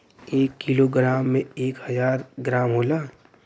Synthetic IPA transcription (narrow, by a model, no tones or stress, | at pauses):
eːkːiloɡɾaːmːẽeːkhəzaːɾɡɾaːmɦoːlaː